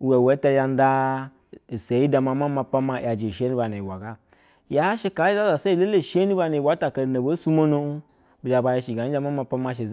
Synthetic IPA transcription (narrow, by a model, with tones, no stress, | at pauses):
wa˨we˨˦ta˧ja˧n˦da˦˨ | se˨˦i˦da˨ma˨˦ma˦ma˧pa˦ma˦˨ja˨d͡ʒe˨ʃe˦ni˦ba˨ne˨i˨wa˨ɡa˦ | ja˦ʃi˦ka˨˦i˦za˦za˨se˦i˨le˦le˦˨ʃe˦ni˦ba˧˨ne˨wa˨˦ta˨ka˨na˨bo˨˦su˦mo˦no˦ | bi˨d͡ʒa˨ba˧je˧˨ʃi˨ɡa˨˦i˦a˧ma˦ma˧pa˦ma˧ʃ̬e˨